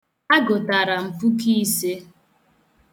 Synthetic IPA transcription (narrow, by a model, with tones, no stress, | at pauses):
a˦ɡo˨ta˨ɾa˨m̩˨fu˦ki˦se˦